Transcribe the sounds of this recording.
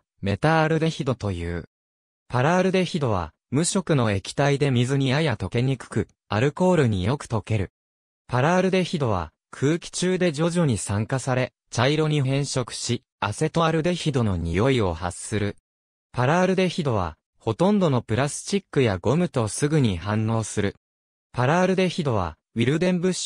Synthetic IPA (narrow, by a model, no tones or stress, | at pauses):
me̞t̪aːɾɯ̟d̪e̞çid̪o̞t̪o̞jɯ̟̰ː | paɾaːɾɯ̟d̪e̞çid̪o̞β̞a̰ | mɯ̟ɕo̞kɯ̟no̞e̞kʲi̥t̪aid̪e̞mʲizɨɲ̟iajat̪o̞ke̞ɲ̟ikɯ̟̥kɯ̟ | aɾɯ̟ko̞ːɾɯ̟ɲ̟ḭjo̞kɯ̟̥t̪o̞ke̞ɾɯ̟ | paɾaːɾɯ̟d̪e̞çid̪o̞β̞a̰ | kʰɯːkʲi̥t͡ɕɨːd̪e̞d͡ʑo̞ʑo̞ɲ̟isãŋkasaɾe̞ | t͡ɕaiɾo̞ɲ̟iɦẽ̞ɰ̃ɕo̞kɯ̟̥ɕi | ase̞t̪o̞aɾɯ̟d̪e̞çid̪o̞no̞̰ɲ̟ḭjo̞io̞̰ha̰sɨɾɯ̟ | paɾaːɾɯ̟d̪e̞çid̪o̞βa̰ | ho̞t̪õ̞nd̪o̞no̞pɯ̟ɾasɨ̥t͡ɕikːɯ̟jaɡo̞mɯ̟t̪o̞sɨɡɯ̟ɲ̟ihãnːo̞ːsɨɾɯ̟ | paɾaːɾɯ̟d̪e̞çid̪o̞β̞a̰ | βʲiɾɯ̟d̪ẽ̞mbɯ̟ɕ